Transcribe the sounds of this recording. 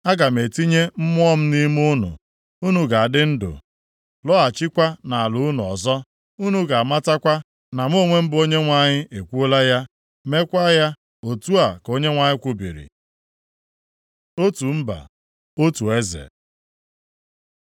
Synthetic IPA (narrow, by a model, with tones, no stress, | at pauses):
a˦ɡa˨m̩˨e˨ti˦ɲe˦m̩˦mʊ˦ɔ˦m̩˦ni˦mʊ˦nʊ̰˨ | u˦nu˨ɡa˨a˨dɪ˦n̩˦dʊ̰˨ | lɔ˦a˨t͡ʃɪ˦kʷa˦na˨a˨lʊ˨u˦nʊ˨ɔ̰˨zɔ˦ | u˦nu˨ɡa˨a˨ma˦ta˦kʷa˦ | na˨m˦o˦˨ŋʷe˦m̩˦bʊ˦o˦ɲe˦ŋʷa˨ɲɪ˦ʔe˨kʷu˦o˦la˦ja˦ | me˦kʷa˦ja˦ | o˨tu˦a˨ko˦ɲe˦ŋʷa˨ɲɪ˦kʷu˦bḭ˨ɾḭ˨ | o˦tu˨m̩˦ba̰˨ | o˦tu˨e˦zḛ˨